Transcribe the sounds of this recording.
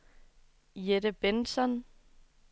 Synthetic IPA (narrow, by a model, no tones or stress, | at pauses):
jeɾəb̥ensɒn